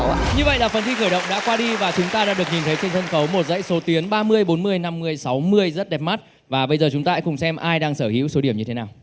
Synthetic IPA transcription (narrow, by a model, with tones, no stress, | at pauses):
ɲɨ˧və̰˧˨jlaː˨˩fə˨˩nt̪ʰi˧xəː˧˩jɗə̰˧˨wŋ͡mɗa̰ː˧˥kwaː˧ɗi˧vaː˨˩t͡ɕʊ˨˦ŋ͡mt̪aː˧aː˧˥ɗɨ˨˩ək̚ɲi˨˩nt̪ʰə˨˦t͡ɕe˧nt̪ʰə˧nxə˨˦wmo˨˩t̚zə̰˧˥jso˨˦t̪i˨˦ənɓaː˧mɨ˧əjɓo˨˦nmɨ˧əjna˧mːɨ˧əjsa˨˦wmɨ˧əjzə˦˥t̚ɗɛ˨˩p̚ma˦˥t̚ | vaː˨˩ɓə˧jzəː˨˩t͡ɕʊ˨˦ŋ͡mt̪aː˧aː˧˥kʊ˨˩ŋ͡msɛ˧mʔaː˧jɗaː˧ŋsəː˧˩hḭ˧˥wso˨˦ɗi˧˩əɲɨ˧e˨˦naː˨˩w